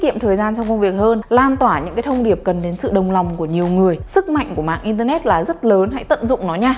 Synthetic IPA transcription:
kḭ˧˨əmt̪ʰəː˨˩jzaː˧nt͡ɕɔ˧ŋ͡mkə˧wŋ͡mvi˨˩ək̚həː˧nlaː˧nt̪waː˧˩ɲɨ̰˧˥ŋkaː˨˦jt̪ʰə˧wŋ͡mɗi˧˩əp̚kə˨˩nɗe˨˦nsɨ̰˧˨ɗə˨˩wŋ͡mla˨˩wŋ͡mku˧˩əɲi˨˩əwŋɨ˨˩əjsɨ˦˥k̚ma̰˧˨jŋ̟ku˧˩əma̰ː˧˨ŋʔi˧nt̪̬əː˧nɛ˦˥t̚laː˨˩zə˦˥t̚ləː˨˦nɦa̰˧˥jt̪ə̰˧˨nzʊ̰˧˨ŋ͡mnɔ˨˦ɲaː˧

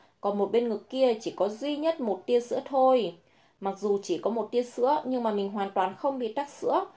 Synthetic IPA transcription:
kɔ˨˩nmo˨˩t̚ɓe˧nŋɨ˨˩kːi˧ət͡ɕi˧˩kɔ˨˦zwi˧ɲə˦˥t̚mo˨˩t̚t̪i˧əsɨ̰˧˥ət̪ʰo˧j | ma˨˩k̚zu˨˩t͡ɕi˧˩kɔ˨˦mo˨˩t̚t̪i˧əsɨ̰˧˥əɲɨ˧ŋmaː˨˩mï˨˩ŋ̟ɦwaː˨˩nt̪waː˨˩nxə˧wŋ͡mɓḭ˨t̪a˦˥k̚sɨ̰˧˥ə

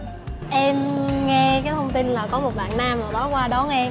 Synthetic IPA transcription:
ʔɛ˧mŋɛ˧kaː˨˦jt̪ʰə˧wŋ͡mt̪i˧nlaː˨˩kɔ˨˦mo˨˩t̚ɓa̰ː˧˨nnaː˧mlaː˨˩ɓɔ˨˦kwaː˧ɗɔ˨˦ŋɛ˧

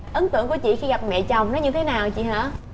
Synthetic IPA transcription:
ʔə˨˦nt̪ɨ˧˨əŋku˧˩t͡ɕḭ˧˨xi˧ɣa˨˩p̚mɛ̰˧˨t͡ɕa˨˩wŋ͡mnɔ˨˦ɲɨ˧t̪ʰe˨˦naː˨˩wt͡ɕḭ˧˨ɦə̰ː˧˥˨

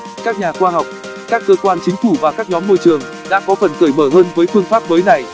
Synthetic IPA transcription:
kaː˦˥k̚ɲaː˨˩xwaː˧ha˨˩wk͡p̚ | kaː˦˥kːəː˧kwaː˧nt͡ɕï˨˦ŋ̟fu˧˩vaː˨˩kaː˦˥k̚ɲɔ˨˦mːo˧jt͡ɕɨ˨˩əŋ | ɗa̰ː˧˥kɔ˨˦fə˨˩nkəː˧˩jməː˧˩ɦəː˧nvəː˨˦jfɨ˧əŋfaː˦˥p̚məː˨˦jna˨˩j

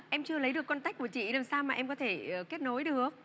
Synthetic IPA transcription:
ʔɛ˧mt͡ɕɨ˧ələ˨˦jɗɨ˨˩əkːɔ˧nt̪a˦˥k̟̚ku˧˩ət͡ɕḭ˧˨laː˨˩msaː˧wmaː˨˩ʔɛ˧mkɔ˨˦t̪ʰe˧˩˨ke˦˥t̚no˨˦jɗɨ˨˩ək̚

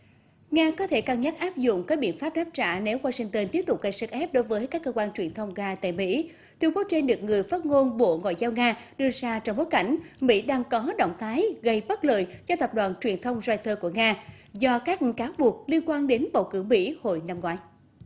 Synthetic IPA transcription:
ŋaː˧kɔ˨˦t̪ʰe˧˩kaː˧ŋɲa˦˥t̚ʔaː˦˥p̚zʊ̰˧˨ŋ͡mkaː˦˥k̚ɓi˧˨ənfaː˦˥p̚ɗaː˦˥p̚t͡ɕa̰ː˧˩ne˨˦wwaː˧sï˧ŋ̟t̪ə˧nt̪i˦˥ət̪ʊ˨˩k͡p̚ɣə˧jsə˦˥t̚ʔɛ˦˥p̚ɗo˨˦jvəː˨˦jkaː˦˥kːəː˧kwaː˧nt͡ɕwi˨˩ənt̪ʰə˧wŋ͡mɣaː˧t̪a̰ː˧˨jmḭ˧˥ | t̪ʰwi˧əŋ͡mko˨˦t͡ɕe˧nɗɨ˨˩ək̚ŋɨ˨˩əjfaː˦˥t̚ŋo˧nɓo̰˧˨ŋwa̰˧˨jzaː˧wŋaː˧ɗɨ˧əzaː˧t͡ɕɔ˧wŋ͡mɓo˨˦jka˧˩ŋ̟mḭ˧˥ɗaː˧ŋkɔ˨˦ɗə̰˧˨wŋ͡mt̪ʰaː˨˦jɣə˧jɓə˦˥t̚lə̰ː˧˨jzɔ˧t̪ə˨˩p̚ɗwa̰ː˨˩nt͡ɕwi˨˩ənt̪ʰə˧wŋ͡mzaː˧jt̪ʰəː˧ku˧˩əŋaː˧ | zɔ˧kaː˦˥k̚kaː˨˦wɓu˨˩ək̚li˧ənkwaː˧nɗe˨˦nɓə̰˧˩wkɨ̰˧˩əŋmḭ˧˥ho̰˧˨jna˧mŋwaː˨˦j

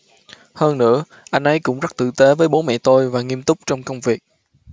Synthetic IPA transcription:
həː˧nnɨ̰˧˥ə | ʔa˧jŋ̟ʔə˧jkʊ̰˧˥ŋ͡mzə˦˥t̪ɨ̰˧˨t̪e˨˦vəː˨˦jɓo˨˦mɛ̰˧˨t̪o˧jvaː˨˩ŋi˧əmt̪ʊ˦˥k͡p̚t͡ɕɔ˧wŋ͡mkə˧wŋ͡mvi˨˩ək̚

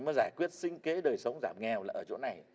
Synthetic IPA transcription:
mɔ˨˦jzaː˧˩jkwi˦˥ət̚sï˧ŋ̟ke˨˦ɗəː˨˩jsə˨˦wŋ͡mzaː˧˩mŋɛ˨˩wlaː˨˩ʔəː˧˩t͡ɕo̰˧˥na˨˩j

